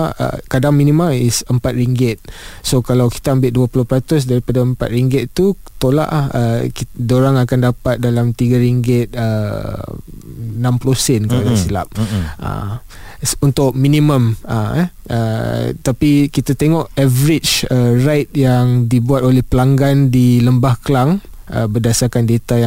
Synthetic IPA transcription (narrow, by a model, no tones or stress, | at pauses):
ə̰kadaŋmĩnĩmaisəmpat̪̚ɾiŋɡɪt̪̚sokalawki̥t̪aəmbɪʔ̪̚duapulʊhpɾat̪ʊs̬daɾipadaəmpa̰t̪̚ɾiŋɡɪt̪t̪u | t̪ola̰ʔlahəkidoɾaŋakandapat̪̚dalamt̪iɡaɾiŋɡɪt̪̚ə | nãmpulosɛnkəpadasila̰p̚ʔə̰ | unt̪ʊʔ̚minĩmə̃mə̰ | ə̰t̪apikit̪at̪eŋɔʔɛvəɾɪd͡ʒərajt̪̚jaŋdibuat̪̚olɛhpəlaŋɡandiləmbahkəlaŋ | ʔə̰bərdasarkandet̪aja